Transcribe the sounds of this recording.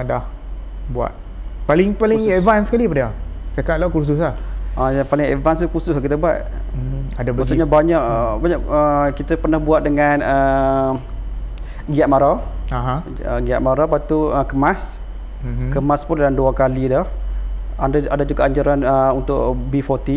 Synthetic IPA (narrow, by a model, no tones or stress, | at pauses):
dah | bua̰t̪̚ | palɪŋpalɪŋevansəkalipadaasə̥t̪akat̪̚lakus̬usahʔəapalɪŋevanst̪ukusʊsakit̪əbua̰t̪̩̚ | adabəsuɲabaɲaʔbaɲaʔəkit̪əpərnahbuat̪̚dəŋanə | ɡiaʔ̪̚maɾaaɦã | əɡia̰ʔ̪̚maɾapat̪uəkəmas̩ | kəmaspʊndanduakalidɔh | adaadad͡ʒuɡaʔaɲd͡ʒaɾanəunt̪ʊʔbifɔt̪i